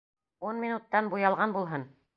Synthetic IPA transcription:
unmʲinut̪ːɑnbujɑlˠʁɑnbulˠɦɤn

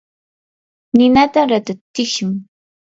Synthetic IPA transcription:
nɪnat̪aɾat̪at̪ːɪʃʊŋ

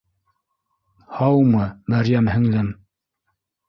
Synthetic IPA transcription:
hɑwmɤmæɾjæmhɘ̆ŋlɘm

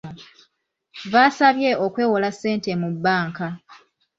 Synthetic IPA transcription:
βaːsaβje̞ʔo̞kwe̞ːwolasːe̞ːntemubːaːŋka

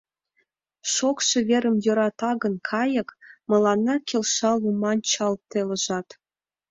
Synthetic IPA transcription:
ʃokʃĕvʲeɾə̆mjøɾɑt̪ɑɡə̆nkʰɑjɤ̆kmɤ̆lˠɑnːɑkʲelʃɑlˠjumɑnt͡ɕɑlˠt̪elə̆ʒɑt̪

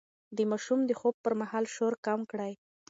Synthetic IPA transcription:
d̪əmɑʃumd̪əxob̚pəɾmahɑlʃoɾkamkɽaj

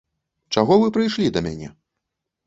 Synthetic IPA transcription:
t͡ʂaɣɔvɨpɾɨjʂlʲid̪ɐmʲanʲɛ

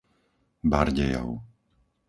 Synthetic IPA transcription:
baɾɟɛjɔ̰ʊ

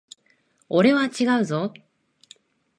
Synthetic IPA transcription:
ɔɾewat͡ɕʰiɡaɯso

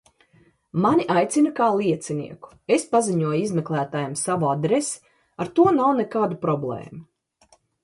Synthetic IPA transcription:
manʲiʔajt̪sinakaːlˠiɛt̪sinḭːɛku̥espaziɲuɔjizmeklˠæːt̪aːjamsavuad̪ɾesi̥ | aɾt̪uɔnawnekaːd̪upɾɔblˠḛːmu

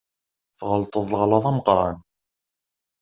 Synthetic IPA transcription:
θʁəlt̪ˤəðˤləʁlɑðˤɑməqɾˤɑn

